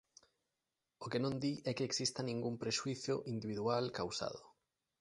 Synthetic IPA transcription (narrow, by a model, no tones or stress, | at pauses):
okenõnd̪iʔɛkeːksist̪anĩŋɡumpɾeʃuiθjoʔind̪iβiðualkawsa̰ð̞o